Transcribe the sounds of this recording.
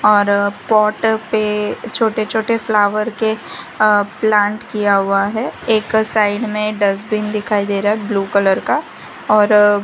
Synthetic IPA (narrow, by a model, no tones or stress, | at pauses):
ɔːɾpɔːʈpet͡ʃʰoːʈet͡ʃʰoːʈeflaːʋəɾke | plãːɳʈkijaɦʊaɦɛeːksaːɪɖmẽɖɐsbɪnd̪ɪkʰaːid̪eːɾaɦɛbluːkələɾka | ɔːɾ